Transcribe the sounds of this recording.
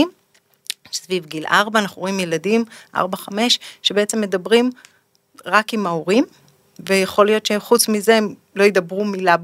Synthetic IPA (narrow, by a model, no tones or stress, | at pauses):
m | svivɡilʔaʁbaːnaχnuʁoimjeladimʔa̰ʁbaχame̞ʃʃebeet͡se̞mːe̞dabʁim | ʁakimaoʁim | vejaχo̞lijo̞tʃeχut͡smizeem | lo̞jed̪abʁumilab